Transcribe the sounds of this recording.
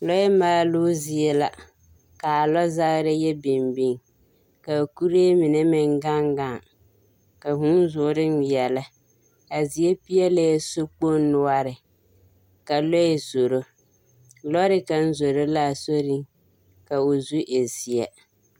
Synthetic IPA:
lɔ˦ɛ˦ma˦luː˦zi˨ɛ˦la˨ | ka˨a˨lɔ˦za˦ɣɾɪ˦jɛ˦bɪ˨mbɪ˦ŋ | ka˨ku˦ɾeː˦mɪ˨nɛ˦mɪ˨ŋɡa˦ŋɡa˦˨ŋ | ka˨ɦu˦n˦zʊ˨ʊ˦ɾɪ˦n˦jɛ˨la˦ | ka˨zi˨e˦pi˦ɛ˦le˦ɛ˦so˦k͡po˦n˦nːʊ˦a˦ɾɪ˨ | ka˨lɔ˦ɛ˨zo˨ɾo˦ | lɔ˦ɾɪ˦ka˨n̩˦zo˨ɾo˦la˦˨so˦ɾɪ˦ŋ | ka˨o˨zu˦ʔe˨zi˨ɛ˨

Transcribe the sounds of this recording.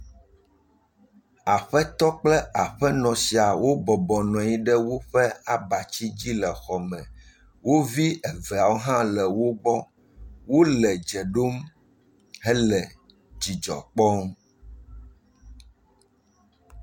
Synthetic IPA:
a˨ɸɛ˦t̪ɔ˦k͡plɛ˦a˨ɸɛ˦nɔ̃˨si˨a˨wo˦bɔ˨bɔ˨nɔ̃˨i˦ɖɛ˦wo˦ɸɛ˦a˨ba˨t͡ɕi˦d͡ʑi˦lɛ˨xɔ˨mɛ̃˨ | wo˦vi˦ɛ˨vɛ˨a˨wo˦ɦã˦lɛ˨wo˦ɡ͡bɔ˦ | wo˦lɛ˨d͡ʒɛ˨ɖo˦m | ɦɛ˦lɛ˨ | d͡ʑi˨d͡ʒɔ̰˨k͡pɔ˦m

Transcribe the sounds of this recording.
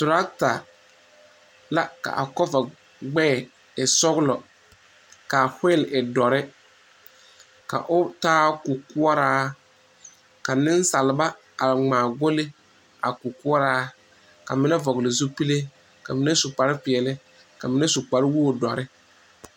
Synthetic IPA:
tʊ˨ɾa˦kta˨ | la˦ka̰˨ʔa̰˨kɔ˦va˨ | ɡ͡bɛː˦˨ | ɪ˨sɔ˦ɣlɔ˨ | ka˨hɪ˦lɪ˨dɔ˨ɾɪ˦ | ka̰˨ʔʊ˦taː˦ku˨kʊ˦ɔ˦ɾaː˦ | ka˨nɪ˦n˦sa˨lɪ˨ba˦ | a˨ŋ͡maː˨ɡo˦lɪ˦ | a˨ku˨kʊ˦ɔ˦ɾaː˦ | ka˨mɪ˦nɛ˦vɔ˨ɣlɪ˨zu˦pi˦le˦ | ka˨mɪ˦nɛ˦sʊ˨k͡pa˨ɾɪ˦pɪ˨ɛ˨lɪ˦ | ka˨mɪ˦nɛ˦sʊ˨k͡pa˨ɾɪ˦wu˦o˨dɔ˨ɾɪ˦

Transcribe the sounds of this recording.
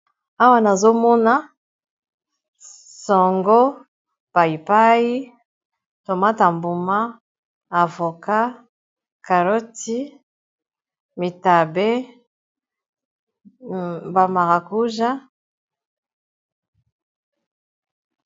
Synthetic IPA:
a˦wa˦na˨zo˦mɔ˦na˦ | sɔ˨ŋɡɔ˦ | b̥a˨i˨pa˦ji˦ | to˨ma˦ta˨mbu˨ma˦ | a˨vo˨ka˦ | ka˨ɾo˦ti˦ | mi˨ta˨be˦ | ba˨ma˨ʁa˨ku˦ʒa˦

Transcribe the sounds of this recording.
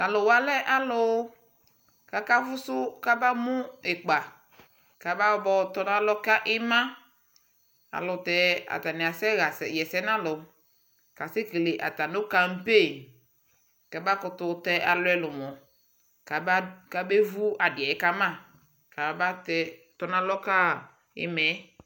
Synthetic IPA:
a˨lʊ˨wa˨˦lɛ˦ʔa˦lʊ˨w | ka˦ka˦fʊ˦sʊ˦ka˦ba˦mʊ˦ɪ˨k͡pa˨ | ka˨ba˦bɔ˦t̪ɔ˦nã˦lɔ˦ka˦ʔɪ˦mã˦ | a̰˨lʊ˨tɛ˨a̰˨ta˨nɪ˨a˨sɛ˦ɣa˨sɛ˨jɛ˨sɛ˦nã˦lʊ˨˦ | ka˨se˦ke˨le˨ʔa̰˨ta˨no˦ka˦m̩˦pe˦˨ | ka˨ba˦kʊ˧tʊ˨tɛ˦ʔa˨lʊ˦ɛ˦lʊ˨mɔ˨ | ka˨˦ka˨be˦vu˦a˨dɪ˨ɛ˨ɛ˦ka˦mã˦˨ | ka˨˦ba˦tɛ˦ | tɔ˦nã˦lɔ˦ka˦ | ɪ̰˦mɛ˨˦

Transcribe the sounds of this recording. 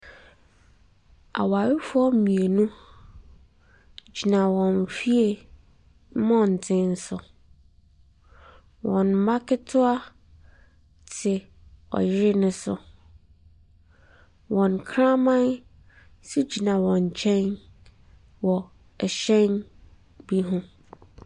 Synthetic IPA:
a̰˨wa˨wɪ˦fʊ˦ɔ˦mĩ˨e˨nũ˦ | d͡ʑi˨nã˨wɔ̃˨n˨fi˦e˨˦ | mɔ̃˦n̩˨tʰɪ̃˦n̩˦sʊ˨ | wɔ̃˨n˦ma˦kʰɪ˦tʰʊ˦a˦ | tʰɪ˨ | ɔ̰˨jɪ˦ɾɪ˦nʊ̃˦sʊ̰˨ | wɔ̃˨nkʰɾã˦mã˦n | si˦d͡ʑi˨nã˨wɔ̃˨ɲ˨t͡ɕʰɛ̃˦n | wɔ˨ | ɛ˨ɕɛ̃˦n | bi˦ɦʊ̃˦

